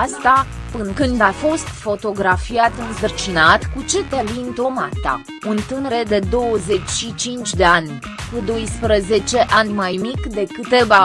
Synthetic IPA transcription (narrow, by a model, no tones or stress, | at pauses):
ast̪a | pɨŋkɨnd̪afo̞st̪fo̞t̪o̞ɡɾafiat̪ɨnsərt͡ʃinat̪kut͡ʃe̞t̪elint̪o̞mat̪a̰ | unt̪ɨnəɾe̞d̪e̞d̪o̞wəze̞t͡ʃʲʃit͡ʃint͡ʃʲd̪e̞anʲ | kud̪o̞jspɾəze̞t͡ʃe̞ʔanʲmajmikd̪e̞kɨt̪e̞va